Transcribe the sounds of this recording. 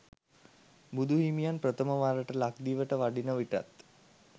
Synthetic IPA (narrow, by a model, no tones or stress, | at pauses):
bud̪ʱuɦimijanprət̪əməʋaːɾəʈəlak̚d̪iːʋəʈəʋaɖinəʋiʈa̰t̪